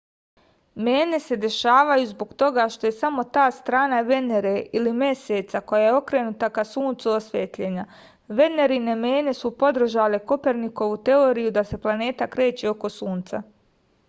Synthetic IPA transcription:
me̞ːne̞se̞d̪e̞ʃaːʋajuzbo̞ɡt̪o̞ɡaʃt̪o̞je̞samo̞t̪aːst̪ɾaːnaʋe̞ne̞ɾeilimje̞seːt̪sako̞jajeo̞kɾe̞ːnut̪akasuːnt̪suosʋeːt̪ʎe̞ːɲa | ʋe̞ne̞ɾine̞me̞ːne̞supo̞d̪r̩ʒale̞ko̞pe̞ɾniko̞ʋut̪e̞oːɾijud̪ase̞plˠane̞ːt̪akɾe̞ːt͡ɕeo̞ko̞suːnt̪sa̰

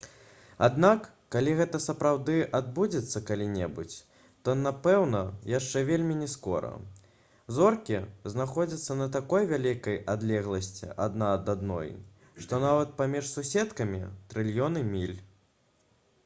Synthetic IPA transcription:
ad̪nakːalʲiɣɛt̪ɐsɐpɾawd̪ɨʔad̪̚bud͡zʲɛt̪sːɐkalʲinʲɛbṵt͡sʲ | t̪ɔnapɛwnɐjaʂt͡ʂɛvʲelʲmʲinʲɛskɔɾɐ̰ | zɔrkʲiznaxɔd͡zʲɐt̪sːɐnɐt̪̬akɔjvʲalʲikɐjad̪lʲɛɣlˠɐsʲt͡sʲḭʔa̰d̪nad̪ad̪nɔ̰j | ʂt̪ɔnavɐt̪̚pamʲiʂsusʲɛt̪kɐmʲḭt̪ɾɨlʲjɔnɨmʲilʲ

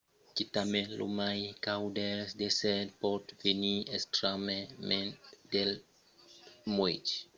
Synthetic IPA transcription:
kit̪amẽlo̰majkawd̪ɛsd̪esɛd̪pɔd̪veniest̪ɾamemẽd̪el | mwet͡ʃi̥

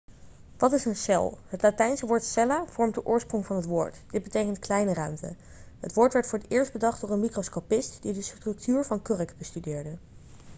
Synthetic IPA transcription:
ʋɑtɪsənsɛ̰lˠɦətlatɛjnsəʋʊːɹtsɛlaːv̥ɔɹmdəʔʊːɹsprʊŋvɑnɦətʋʊːɹtd̥ɪd̚bətejkəntklɛjnərœɥmtə̰ | ɦətʋʊːɹtʋɛɹtfʊːɹətɪːɹsd̚bədɑχd̚ʊːɹənmikroskopɪstd̥idəstrɵk̚tyːɹvɑnkørəkbəstydɪːɹdə

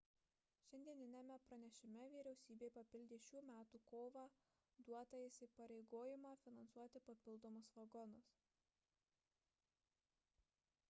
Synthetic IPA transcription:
ʃʲɛnʲd̪ʲiɛnʲɪnʲɛmʲɛpɾɐnʲɛʃʲɪmʲɛʋʲiːɾʲɛʊsʲiːbʲeːpɐpʲɪlʲd̪ʲeːʃʲuːmʲæːt̪uːkoːʋɑ | d̪uɔt̪ɐɪsʲɪpɐɾʲɛɪɡoːjɪmɑfʲɪnɐnsuɔt̪ʲɪpɐpʲɪlˠd̪oːmʊsʋɐɡɔnʊs

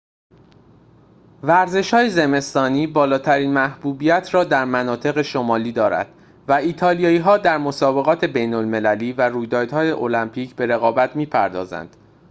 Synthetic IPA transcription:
væɾze̞ʃhɒːjeze̞me̞st̪ɒːniːbɒːlɒːt̪ʰæɾiːnmæhbuːbijæt̪ʰɾɒːd̪æɾmænɒːt̪ʰe̞ɣe̞ʃo̞mɒːliːd̪ɒːɾæ̰d̪̥ | væiːt̪ʰɒːlijɒːiːɦɒːd̪æɾmo̞sɒːbe̞ɣɒːt̪ʰe̞be̞jnolme̞læliːværuːjd̪ɒːɾd̪hɒːje̞ʔolæmpʰiːcʰbe̞ɾe̞ɣɒːbæt̪ʰmiːpʰæɾd̪ɒ̰ːzæ̰nd̪̥

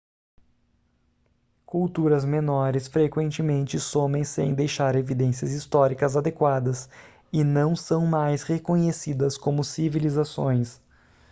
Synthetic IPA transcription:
kuwt̪uɾɐzmenɔɾɪsfɾekwẽnt͡ʃɪmẽnt͡ʃɪsõmẽj̃sḛ̃j̃d̪ejʃaɾevid̪ẽsiɐzist̪ɔɾikɐzad̪ekwad̪ɐs | ɪnɐ̃w̃sɐ̃w̃majshekõɲesid̪ɐskõmʊsivilizasõ̰j̃s

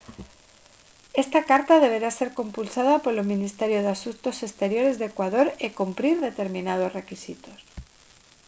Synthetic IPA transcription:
e̞st̪akaɾt̪aðe̞β̞e̞ɾase̞ɾko̞mpulsað̞apo̞ɾlomĩnist̪e̞ɾjoð̞easunt̪o̞se̞st̪e̞ɾjo̞ɾe̞zðekwaðo̞ɾekumpɾiɾðe̞t̪e̞ɾmĩnað̞o̞sre̞kisit̪o̞s

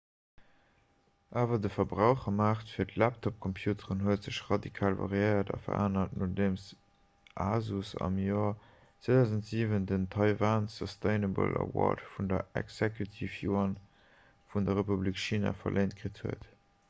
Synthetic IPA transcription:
ʔaːvɐdəfɐbʁaʊχɐmaːχtfiːɐtlæptʰɔp̚kʰɔmpʰjuːtʰəʁənɦuətz̥əʃʁɑdikʰaːlvɑ̰ʁiəɪɐdɑ̰fɐaːnɐtnʔodeːms | ʔaːzusɑ̰mjoːɐ | t͡swedaʊzəntz̥iːvəndəntʰɑɪvansɔstʰeɪnəbə̰lʔə̰wɔ̰dfundɐɛ̰ksɛkʰjutʰifjuɑn | fundɐʁepublikʃiːna̰fɐ̰lʔeɪnt̚kʁithə̰ət

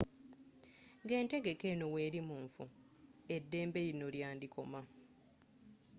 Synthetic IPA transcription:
ɡe̞ːnte̞ɡe̞ke̞ːno̞we̞ːɾimuːɱfu | edːe̞ːmbe̞ɾino̞ljaːndikʰo̞ma

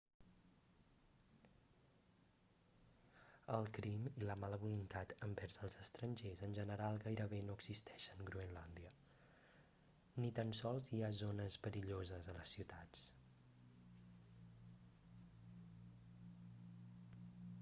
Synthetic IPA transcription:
əlˠkɾimiləmaləβulunt̪at̪əmbɛɾzəlˠzəst̪ɾənʲʒezənʲʒənəɾalˠɣajɾəβenoəɡz̥ist̪ɛʃəŋɡɾuənland̪iə | nit̪ansɔlˠziazonəzpəɾiʎozəzðələsːiwt̪at͡s

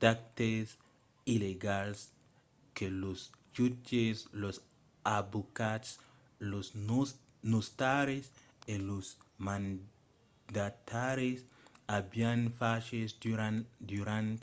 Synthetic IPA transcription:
d̪̥ak̚t̪es | ileɡals | kelosd͡ʒut͡ʃeslos | abukat̪s | los | nust̪aɾes | elosmãn | d̪at̪aɾes | abianfaʃes | d̪uɾant̪

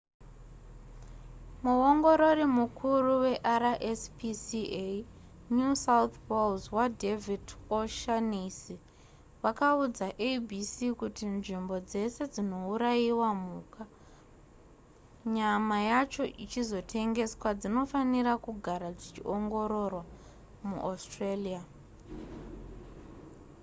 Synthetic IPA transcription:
muoŋɡo̞ɾo̞ɾimukʰuruwe̞ʔaɾaʔespisie | nusaut̪polzwadʱevidoʃanisi | ʋakaud͡zaʔebʱisikutinʐimbo̞d͡ze̞se̞d͡zino̞uɾajiwamuːka | ɲamajat͡ʃo̞ʔit͡ʃizo̞tʰe̞ŋɡe̞swad͡zino̞faniɾakuɡʱaɾad͡zit͡ʃḭʔo̞ŋɡo̞ɾo̞rwa | mṵʔastrelia

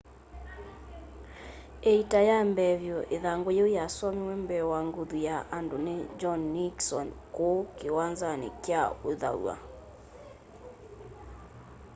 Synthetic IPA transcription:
eitajambɛβjɔʔeðaŋɡojojaswamewɛmbɛwaŋɡoðujaʔandoned͡ʒɔnːiksɔnkokewanzanḛkjaoða̰w̰a̰

